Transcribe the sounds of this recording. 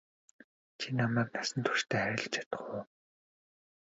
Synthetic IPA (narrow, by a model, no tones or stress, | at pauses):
t͡ɕʰinamæːk̚nasə̆nt̪ʰu̥ʃt̪ʰeːχæɾʲɪ̆ɮt͡ɕʰḁt̪ə̥̆χu